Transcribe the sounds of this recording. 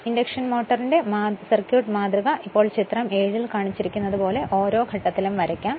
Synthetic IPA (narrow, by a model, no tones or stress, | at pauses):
indɐkʂɐnmo̞ːʈːɐrinde̞maːsɐrkjuːʈmaːd̪ruɣɐʔipːo̞ːɭt͡ɕit̪rɐme̞ːɻilkaːɳit͡ɕːiɾikʲːunːɐðupo̞ːle̞ʔo̞ːɾo̞ːɡʱɐʈːɐt̪ːilumʋɐɾɐkʲːaːm